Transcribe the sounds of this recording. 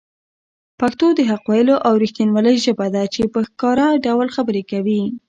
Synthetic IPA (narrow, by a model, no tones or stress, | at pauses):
pakt̪od̪əɦaqwɑjəloʔawɾixt̪inwaləjʒəbad̪at͡ʃepəxkɑɾaɖawlxabəɾekawi